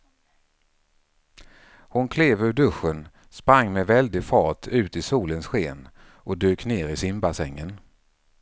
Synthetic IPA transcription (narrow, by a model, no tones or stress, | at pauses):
hʊnkʰleːvɵɖɵɧːən | spɾaŋːmɛvɛld̪ɪɡfɑːʈʰʉ̟ːt̪ɪsuːlənsɧeːn | ʔɔd̪øːkneːɾɪsɪmbasɛŋːən